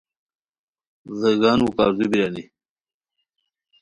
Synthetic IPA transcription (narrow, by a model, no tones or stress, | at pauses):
zəɡaːnuka̰ːɾzubiɾani